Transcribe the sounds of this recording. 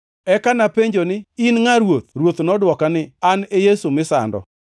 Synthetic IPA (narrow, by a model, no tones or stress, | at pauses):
ɛkanapeɲd͡ʒonɪinŋaɾwot̪̚rwot̪nɔdwɔkanɪanejesumɪsa̰ndɔ̰